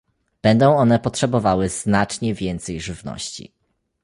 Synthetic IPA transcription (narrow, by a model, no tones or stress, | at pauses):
b̥ɛnd̪ɔ̃w̃ɔnɛpɔtʂɛbɔvawɘznat͡ʂɲɛvʲjɛnt̪sɛjʐɘvnɔ̰ɕt͡ɕḭ